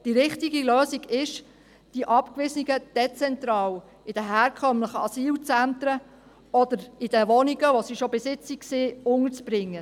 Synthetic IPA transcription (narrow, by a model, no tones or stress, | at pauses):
d̥iɾɪχtiɡiløːsiɡɪʃ | d̥iʔɑpkʋɪsniɡəd̪̥ɛt͡sɛnt̪ɾɑːw | ɪd̥əɦɛːɾkʰœmləχəɑsiːlt͡sænt̪ɾə | ɔd̪əɾɪd̥əʋɔniɡəʋosiʃobɪsɪt͡sikseːʊŋət͡sb̥ɾɪŋːə